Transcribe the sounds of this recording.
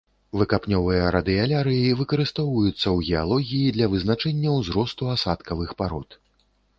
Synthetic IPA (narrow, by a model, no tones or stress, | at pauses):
vɨkapnʲɔvɨjɐɾɐd̪ɨalʲaɾɨjivɨkɐɾɨst̪ɔwvɐjut̪sːɐwɣʲɛalˠɔɣʲijid̪lʲɐvɨznat͡ʂɛnʲːɐwzɾɔst̪uasat̪kɐvɨxpaɾɔt̪